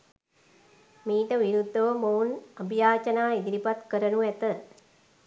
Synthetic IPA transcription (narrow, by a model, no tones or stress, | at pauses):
miːʈəʋiɾud̪ʱːɐʋəmounɐbʱjaːt͡ʃɐnaːid̪iɾipɐt̪kəɾənuʋɛt̪ə